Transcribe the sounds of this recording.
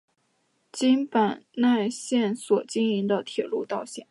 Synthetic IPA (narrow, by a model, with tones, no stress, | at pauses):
t͡ɕi˥ŋpa˨˩nna˥˧ɪɕjɛ˥˩nswɔ˨˩t͡ɕi˥ŋi˧˥ŋd̪ə˧t̪ʰjɛ˨˩lu˥˧t̪ɑ˥˧ʊɕjɛ˨˩˦